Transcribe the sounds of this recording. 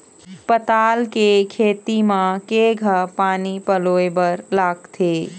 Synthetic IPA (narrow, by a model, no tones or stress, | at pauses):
pət̪aːlkekʰeːt̪imãkeːɡʱəpaːnipəloːebəɾlaːɡt̪ʰe